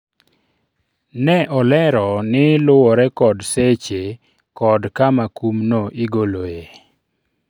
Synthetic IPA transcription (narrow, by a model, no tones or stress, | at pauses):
nɛʔɔlɛɾɔnɪlʊwɔɾɛkɔdset͡ʃe | kɔdkamakumnoʔiɡoloje